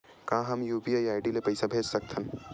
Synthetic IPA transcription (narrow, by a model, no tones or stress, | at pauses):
kãːɦɐmjuːpiaːjaːɪɖilepɐɪsabʱeːd͡ʒsɐk̚t̪ʰən